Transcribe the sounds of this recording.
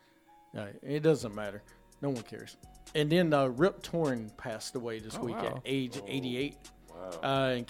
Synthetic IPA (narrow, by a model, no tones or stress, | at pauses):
ɹa̰ɪɨ̃ɨt̚d̥ʌzə̃nmæɾə˞ | noʊwʌ̃nkʰɛ̰ɹz̥ɨ̃nðɨ̃nʌɹɪp̚tʰɔɹnpʰæstəweɪðɪswikɨ̰ɾeɪd͡ʒḛɪɾieɪt̚ | ʔʌɨ̃n